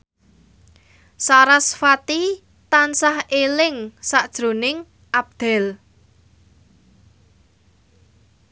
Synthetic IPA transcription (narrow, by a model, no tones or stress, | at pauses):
saɾasfat̪i | t̪ansahelɪŋsaʔd̥ʒ̥ɾo̤nɪŋ | ʔab̚d̪̥ɛ̤l